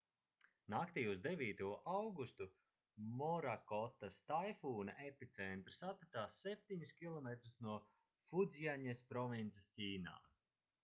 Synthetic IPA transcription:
nakt̪iːuzd̪evʲiːt̪uɔʔawɡust̪u | mɔɾakɔt̪ːast̪ajfuːna̰ʔepit̪sɛnt̪ɾsat̪pat̪aːsːɛp̚ʲt̪ʲiɲuskʲilˠɔmet̪ɾusnuɔ | fud̪zijaɲespɾɔvint̪sestʲiːna̰ː

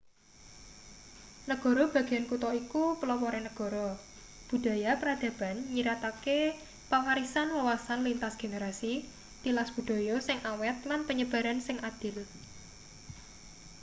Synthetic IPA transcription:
nəɡ̥ɔ̤ɾɔb̥ä̤ɡ̥e̤jankut̪ɔikupəlɔwɔɾenəɡ̥ɔ̤ɾɔ | b̥ṳd̥a̤japəɾad̪̥ä̤b̥a̤nɲiɾat̪ake | paŋaɾisanwawasanlint̪asɡ̥e̤neɾasi | t̪ilasb̥ṳd̪̥o̤jɔsɪŋʔawɛt̪̚lanpəɲəb̥a̤ɾansɪŋad̪̥ɪ̤l

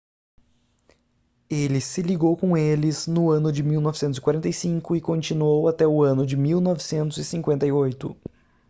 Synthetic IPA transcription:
elɪsɪliɡowkõelɪznʊɐ̃nʊd͡ʒɪmiwnɔvɪsẽt̪ʊzɪkwaɾẽnt̪ɐjsĩŋkʊɪkõnt͡ʃinuowat̪ɛʊɐ̃nʊd͡ʒɪmiwnɔvɪsẽnt̪ʊzɪsĩŋkwẽnt̪ɐiojt̪ʊ̰

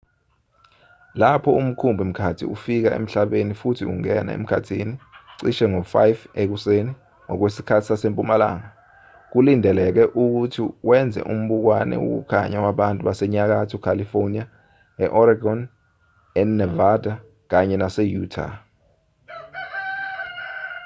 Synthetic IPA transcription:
lapʰɔum̩kʰumbʱim̩kʰatʰḭṵfik̬aḛm̩ɬaɓenifutʰiṵŋɛna̰ḛm̩kʰa̰tʰiːniǀiʃɛŋofajfek̬useni | ŋɔk̬wesi̥kʰatʰi̥sasempʼumala̰ːŋa | k̬ulindʱɛlɛk̬ɛʔuk̬utʰiwʔɛnd͡zʱɛ̰ʔum̩ɓuk̬wanɛ̰ṵk̬ṵkʰa̰ɲawaɓantʼuɓasɛɲak̬atʰukʰalifonia | ɛʔɔɾaɡɔn | ɛnɛvadʱa | k̬aɲɛnasɛjutʰa̰

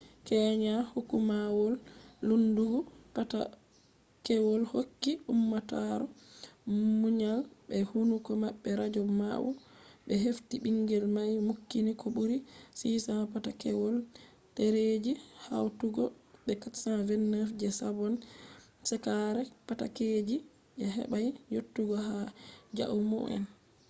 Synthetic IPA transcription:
kɛːɲahukumawɔlːunduɡupata̰ | kɛwɔlhokːiumːataɾɔ | muɲalbɛhunukɔmaɓːɛɾad͡ʒɔma̰wṵɓɛɦeftiɓiŋɡɛlmajmukːinikɔbuɾisisapatakɛwɔl | teɾed͡ʒiha̰wtuɡɔɓɛkatsavɛnːafd͡ʒɛsabɔn | sɛkaɾɛpata̰ked͡ʒi | ʔɛɦɛ̰ɓajjotːuɡɔhad͡ʒa̰ʔumɔ̰ɛ̰n

